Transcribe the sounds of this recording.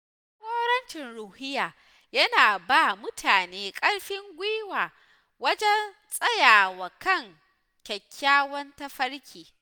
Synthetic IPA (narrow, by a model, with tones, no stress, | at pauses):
hoː˦ɾɐ˦nt͡ʃɪ˨nɽuː˨hɪ˦jaː˨ | jɐ˦naː˨baː˦˨mʊ˦tʰaː˨neː˦kʼɐ˦ɽɸɪ˦ŋɡʷiː˦waː˨ | wɐ˦d͡ʒɛ˦n | sʼɐ˦jaː˨wa˨kɐ˦˨ŋ | kʲɐ˨kʲʰːaː˦wɐ˦nta˦ɸɐ˦ɽkʲiː˨